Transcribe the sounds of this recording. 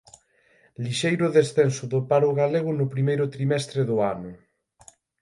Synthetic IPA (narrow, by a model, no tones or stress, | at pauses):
liʃejɾʊðesθensʊðʊpaɾʊɣaleɣ̞ʊnʊpɾimejɾʊt̪ɾimɛst̪ɾeðʊanʊ